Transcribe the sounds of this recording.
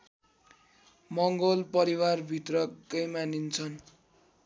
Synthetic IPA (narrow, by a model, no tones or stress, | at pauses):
mʌŋɡolpʌɾiwarbʱit̪rʌkʌjmanint͡sʰʌn